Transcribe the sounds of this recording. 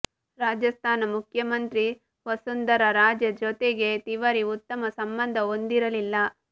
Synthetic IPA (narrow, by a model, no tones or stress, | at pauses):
ɾaːd͡ʒjɐst̪ʰaːnɐmukʰjɐmɐnt̪ɾi | ʋɐsund̪ɐɾɐɾaːd͡ʒjɐd͡ʒot̪eɡe̞t̪iʋɐɾiut̪ːɐmɐsɐmbɐnd̪ʱɐond̪iɾɐlilːɐ